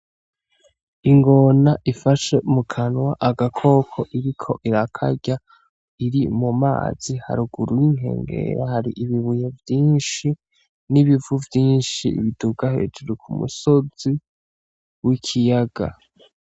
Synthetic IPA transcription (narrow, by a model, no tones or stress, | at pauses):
iŋɡo̞naʔifaʃe̞umukʰanwaʔaɡakʰo̞kʰo̞ʔiɾikʰo̞ʔiɾakʰa̰ɟa | iɾimuma̰ːz̥iha̰ɾuɡuɾuwiŋ̥ɦe̞̰ːŋɡe̞̰ɾahaɾiʔiβiβujevjiːnʃi | niβivuvjiːnʃḭːβiduɡahe̞ːd͡ʒuɾukʰumṵso̞z̥i | wikʰijaɡ̥a̰